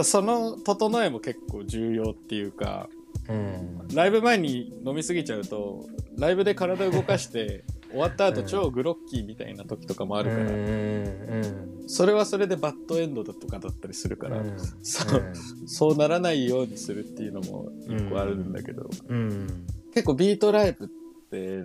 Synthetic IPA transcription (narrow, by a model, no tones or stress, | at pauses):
so̞no̞t̪o̞t̪o̞no̞e̞mo̞ke̞kːo̞ːʑɨːjo̞ːt̪ːe̞jɯ̟ːka̰ | ɾaibɯ̟mae̞ɲ̟ino̞mʲisɨɡʲit͡ɕaɯ̟t̪o̞̰ɾaibɯ̟d̪e̞kaɾad̪aɯ̟ɡo̞kaɕi̥t̪e̞o̞β̞at̪ːaːt̪o̞t͡ɕo̞ːɡɯ̟ɾo̞kʲːimʲit̪a̰ḭnat̪o̞kʲi̥t̪o̞kamo̞aɾɯ̟kaɾa̰ | so̞ɾe̞β̞aso̞ɾe̞d̪e̞bat̪ːo̞ẽ̞nd̪o̞d̪at̪ːo̞kad̪at̪ːaɾʲisɨɾɯ̟ka̰ɾa̰soso̞ːnaɾanaijo̞ːɲ̟isɨɾɯ̟t̪ːe̞jɯ̟no̞mo̰ikːoaɾɯ̟̃nd̪a̰ke̞d̪o̞̰ | ke̞kːo̞bʲiːt̪o̞ɾaibɯ̟t̪ː | e̞